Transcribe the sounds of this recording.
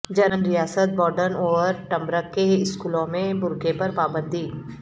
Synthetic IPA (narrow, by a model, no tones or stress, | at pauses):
d͡ʒɐɾənɾijaːsət̪̚bɔːɾɖəɾnoːʋəɾʈɐ̃mbɾəkːeɪskuːlõmẽbʊɾkepɐɾpaːbə̃nd̪ʱi